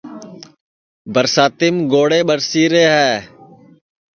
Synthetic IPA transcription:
bəɾsaːt̪ɪmɡoːɽeːɓəɾsiːɾeːɦɛː

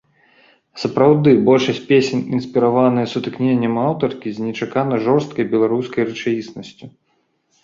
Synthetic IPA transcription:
sɐpɾawd̪ɨbɔlʲʂɐsʲt̚ʲpʲesʲɛnʲinsʲpʲiɾavanɨjɐsut̪ɨknʲenʲːɐmawt̪ɐrkʲizʲnʲɛt͡ʂakanɐʐɔrst̪kɐjbʲɛlˠaɾuskɐjrɨt͡ʂajisnɐsʲt͡sʲu

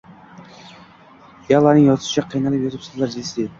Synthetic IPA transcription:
jalˠaɾnɪŋjɒzɪʃɪ̥t͡ʃʰaqʰijnalˠɪpjot̪ɪpsozlˠaɾd͡ʒɪlsd̪eɪ

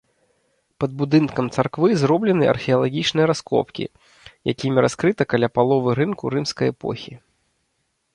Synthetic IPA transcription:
pɐd̪̚bud̪ɨnkɐmt̪sarkvɨzɾɔblʲɛnɨɐ̰rxʲɛɐlˠaɣʲit͡ʂnɨjɐɾaskɔ̰pkʲḭ | ja̰kʲimʲiɾaskɾɨt̪ɐkalʲapalˠɔvɨɾɨnkuɾɨmskɐjɛpɔ̰xʲi

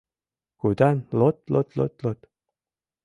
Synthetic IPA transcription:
kud̪anlot̪̚lot̪lo̰t̪lot̪

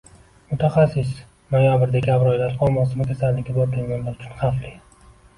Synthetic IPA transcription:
mʊt̪ʰaχasɪs | nojabɪɾd̪ekʲʰabɾɒjlaɾʰɒmɒsɪmɪkʲʰasalːɪkʲabɒɾd̪ʰɪŋɡʲanlaɾʊt͡ʃʰʊnχɑflɪ

